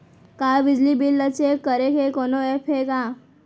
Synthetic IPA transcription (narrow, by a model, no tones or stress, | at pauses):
kabid͡ʑlibilːət͡ʃekəɾekekɔnoepʰeka